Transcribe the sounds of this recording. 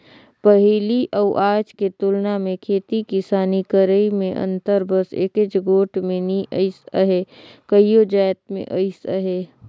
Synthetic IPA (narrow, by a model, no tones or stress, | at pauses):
pəɦiːliʔɐwʔaːd͡ʒket̪ʊlnamẽkʰeːt̪ikɪsaːnikəɾəimẽʔɐ̰̃nt̪əɾbəsḛket͡ʃɡoːʈmẽniʔəɪsəɦekəijod͡ʒaːjt̪mḛ̃ʔəɪsəɦe